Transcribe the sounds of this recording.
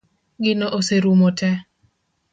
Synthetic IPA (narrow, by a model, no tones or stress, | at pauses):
ɡɪnoʔoseɾumotʰɛ